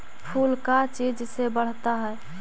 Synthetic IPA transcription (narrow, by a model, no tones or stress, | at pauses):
pʰulkat͡ʃid͡ʒsebəɽ̤t̪aɦɛɛ